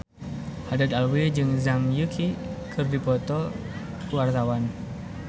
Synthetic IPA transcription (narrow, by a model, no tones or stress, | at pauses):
hadat̪alwid͡ʒɨŋzamjukʰikɨrdipɔt̪ɔ | kəwart̪awan